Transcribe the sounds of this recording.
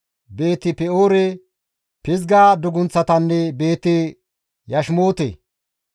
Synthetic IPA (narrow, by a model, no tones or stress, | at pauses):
be̞ːt̪ːɪpɛoːɾɛ | pɪzɡaːd̪ʊɡʊnt͡sːɐt̪ɐnːɛbe̞ːt̪ːɪ | jɐʃmoːt̪ḛ